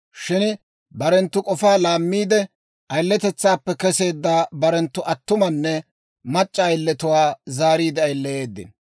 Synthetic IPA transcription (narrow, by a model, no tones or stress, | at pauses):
ʃɪn | bɐɾɛnt̪ːʊkʼɔfaːlaːmːiːd̪ɛ | ʔɐjlːɛt̪ɛt͡sːaːpːɛkɛse̞ːd̪ːaːbɐɾɛnt̪ːʊʔɐt̪ːʊmɐnːɛ | mɐt͡ʃʼːɐːjlːɛt̪ʊwaːzaːɾiːd̪ɛɐjlːɛje̞ːd̪ːɪ̰n